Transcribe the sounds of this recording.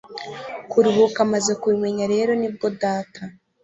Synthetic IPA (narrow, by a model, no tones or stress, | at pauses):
kuɾuɦukamaze̞kwimweɲaɾe̞ːɾo̞nib̚ɡo̞daːtʰa